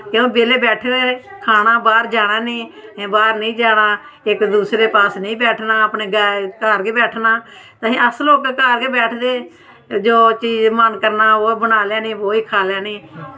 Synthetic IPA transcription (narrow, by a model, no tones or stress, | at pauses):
kjõːbeːleːbɛːʈʰneːkʰaːɽ̃aːbaːɾd͡ʒaːɽ̃ãːnĩːbaːɾnĩːd͡ʒaːɽ̃aː | ɪkd̪uːsɾeːpaːsnĩːbɛːʈʰnaːəpneːɡaːkaːɾɡeːbɛːʈʰnaː | t̪aɦĩːəsloːkkaːɾɡeːbɛːʈʰd̪eː | d͡ʒoːt͡ʃiːd͡ʒmənkəɾnaːoːbənaːljãːnẽːʋoːiːkʰaːljaːneː